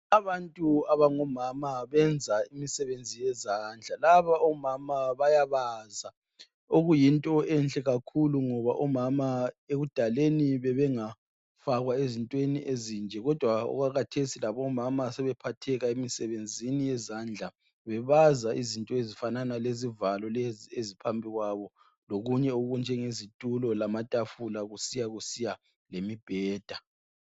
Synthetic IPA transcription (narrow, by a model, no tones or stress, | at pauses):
aβantʼuaβaŋɔmamaβɛnd͡zʱaimisɛβend͡zʱijɛzaːnd͡ɮʱalaβaɔmamaβajaβaza | oɣujintʼɔɛnɬʼɛɣakʰuluŋɔβa̰ʔɔmamaeɣud̥ʱaleniβɛβɛŋa | faɣwaezintʼweniʔezind͡ʒʱɛɣɔd̥ʱwaɔ̰ɣaɣatʰesilaβɔmamasɛβɛpʰatʰɛɣaemisɛβend͡zʱinijɛzand͡ɮʱa | βɛβazaʔizintʼɔezifananalezivalɔleziezipʰampʰʼiɣwaβɔ | loɣuɲɛuɣund͡ʒʱɛŋezitʼulɔlamatʼafulaɣusijaɣusija | lemib̥ʱɛːd̥ʱa